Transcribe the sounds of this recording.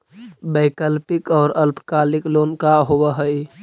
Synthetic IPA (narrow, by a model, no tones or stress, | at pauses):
bəɪkəlpikɔːɾəlpʰkalɪklonkaɦobəɦəj